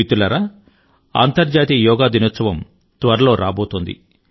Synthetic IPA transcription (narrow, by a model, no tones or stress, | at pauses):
it̪ulɐɾa | ɐ̰nt̪ɐɾd͡ʒaːt̪ijɔːɡaːd̪inɐt̪sɐʋɐm | t̪ʋɐɾɐlo̞ːɾaːbo̞ːt̪und̪ḭ